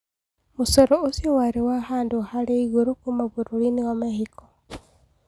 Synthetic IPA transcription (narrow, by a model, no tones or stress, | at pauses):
mosɔɾɔozjɔwaɾewahaːndohaɾeiɣoɾokumaβuɾoɾiniwamɛhikɔ̥